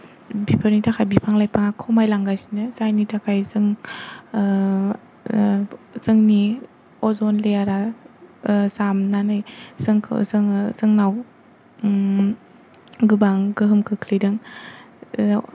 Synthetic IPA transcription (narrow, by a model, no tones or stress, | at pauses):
bipʰaɾnitʰakʰajbipʰaŋlajpʰaŋakʰɔmajlaŋɡajsinɯzajnitʰakʰajzɯŋ | z̥ɯŋni | ɔzɔnlejaɾa | zamnanɯjzɯŋkʰzɯŋzɯŋnaw | ɡɯbaŋɡɯɦɯmkʰɯkʰlijdɯŋ